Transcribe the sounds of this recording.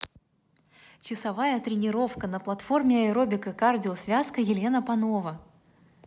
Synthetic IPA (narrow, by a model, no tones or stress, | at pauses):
t͡ɕɪsɐvajət̪ɾʲɪnʲɪɾo̞fkənəplˠɐt̪formʲɪɐɪɾo̞bʲɪkəkardʲɪosvʲaskəjɪlʲe̞nəpɐno̞və